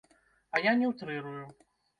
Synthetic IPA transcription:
ɐjanʲɛwt̪ɾɨɾuju

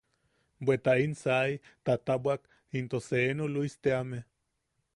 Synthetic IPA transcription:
bʷet̪ainsajt̪at̪awak | int̪oseenoluist̪eame

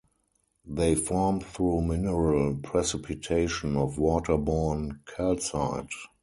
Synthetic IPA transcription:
ðeɪfɔɹmθɹuːmɪnəɹəlpʰɹɛsɪpʰɪtʰeɪʃɔ̃nɔfwɔːtʰə˞bɔnkʰɛlsaɪd

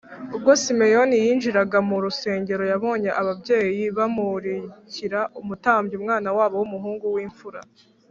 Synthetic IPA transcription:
ubɡo̞sime̞jo̞nijiːnʒiɾaɡamuɾuse̞ːɲɟe̞ɾo̞jaβo̞ːɲe̞ʔaβabɟe̞ːjiβamuɾiciɾaʔumutaːmbɟiuːmŋaːnawaːβo̞wumuɦuːŋɡuwiːɱfuɾa̰

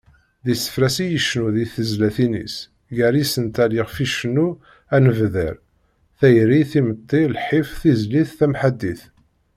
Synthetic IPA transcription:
ðisə̥fɾæsijəʃnuðiθəzlæθinḭs | ʝæɾisənt̪æliʁfiʃnu | ænəvðə̰ɾ | θæjɾiθimət̪ˤːilħifθizliθθæmħad̪ːiθ

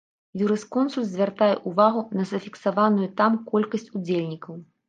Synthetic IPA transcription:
juɾɨskɔnsulʲszʲvʲart̪ajɛ̰ʔuvaɣunɐzɐfʲiksavanujut̪amkɔlʲkɐsʲt͡sʲud͡zʲelʲnʲikɐw

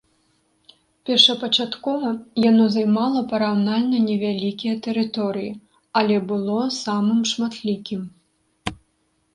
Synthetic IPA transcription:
pʲɛrʂɐpɐt͡ʂat̪kɔvɐjanɔzajmalˠɐpɐɾawnalʲnɐnʲɛvʲalʲikʲijɐt̪ɛɾɨt̪ɔɾɨji | ɐlʲɛbɨlˠɔsamɨmʂmat̪lʲikʲim

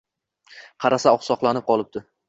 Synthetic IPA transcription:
qʰɑɾasaɒχsɒqlˠanɪp̚qʰɒlˠɪp̚d̪ɪ

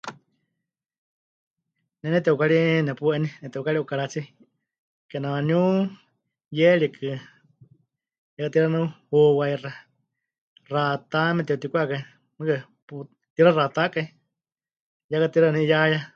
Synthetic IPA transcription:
nɛnɛt̪ɛukaɺinɛpuʔɛninɛt̪ɛukaɺiʔukaɺat͡si | kɛnawanu | jɛɺikʰɨ | jakat̪iɾanuhuwaira | rat̪amɛt̪ɛut̪ikʷakai | mɨkɨ | pu | t̪iɾarat̪akai | jakat̪iɾanijaja

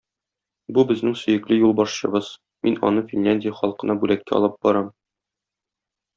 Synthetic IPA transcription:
bubɘ̆znɘŋsɵ̆jɘ̆klɘjulˠbɒʃɕɤ̆bɤz̥ | minɒ̰nɤfʲinʲlʲænʲdʲɪjəχɒlˠqɤ̆nɑbʉlækːæ̰ɒ̰lˠɤp̚b̥ɒɾɑm

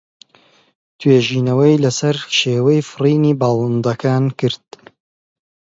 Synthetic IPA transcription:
t̪ʰweːʒiːnɐwɐjlɐsɐɾʃeːwɐjfɨriːniːbɑːlˠɨnd̪ɐkʰaːnkɨɾd̪̥̚

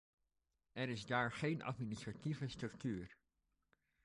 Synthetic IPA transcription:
ɛɾɪzdaːɹχejnʔɑ̰tminɪstrativəstrɵk̚tyːɹ

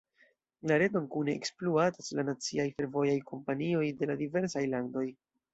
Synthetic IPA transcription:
laɾe̞donkune̞̰ːkspluataslanat͡siajfe̞ɾvo̞jajkʰo̞mpanio̞jde̞ladive̞ɾsajlando̞j

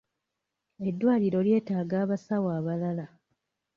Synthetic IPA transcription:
e̞dːwaːliɾo̞lje̞ːtaːɡaːβasawaːβalala

